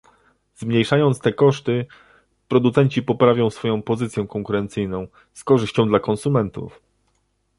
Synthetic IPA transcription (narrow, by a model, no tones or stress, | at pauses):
zmɲejʂajɔnt̪st̪ɛkɔʂt̪ɘ | pɾɔd̪ut̪sɛɲt͡ɕipɔpɾavʲjɔ̃w̃sfɔjɔ̃w̃pɔzɘt̪sʲjɛkɔŋkuɾɛnt̪sɘjnɔ̃w̃ | skɔʐɘɕt͡ɕɔ̃w̃d̪lakɔnsumɛnt̪ṵf